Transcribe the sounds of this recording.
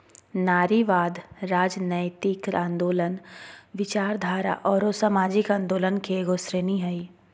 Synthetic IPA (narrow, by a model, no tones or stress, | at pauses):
naːɾiʋaːd̪ɾaːd͡ʒnəjt̪ikɾãːnd̪oːlənʋɪt͡ʃaːɾd̪ʱaːɾa̰ʔɔːɾoːsamaːd͡ʒɪkãːnd̪oːlənkeɡosɾeːniɦɐiː